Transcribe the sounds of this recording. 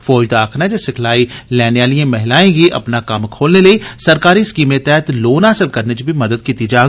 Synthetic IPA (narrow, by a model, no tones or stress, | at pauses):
fɔːd͡ʒd̪aːkʰnad͡ʒɛsɪkʰlaːilɛːnejaːlijãmɛɦlaːẽɡiʔɐ̰pnakɐmkʰoːlnelɐisɐɾkaːɾiɪskiːmẽt̪ɛɦt̪loːnaːsəlkɐɾned͡ʒibʱimɐd̪əd̪kiːt̪id͡ʒaː